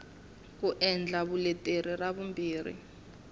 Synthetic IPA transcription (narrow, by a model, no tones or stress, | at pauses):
k̬uʔɛnd͡ɮʱaβulɛtʼeriraβumbiːrḭ